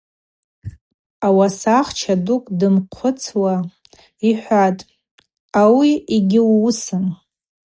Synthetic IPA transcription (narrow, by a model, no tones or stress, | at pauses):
awasaχt͡ʃʰadukʼdɨmqʷʰʊt͡sʰwa | iħʷatʼ | awiiɡʲɪwusɨn